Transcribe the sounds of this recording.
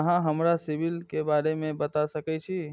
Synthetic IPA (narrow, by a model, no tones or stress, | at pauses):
ɦãɦəmɾasibilkebaɾemẽbət̪asəkɛt͡ʃʰi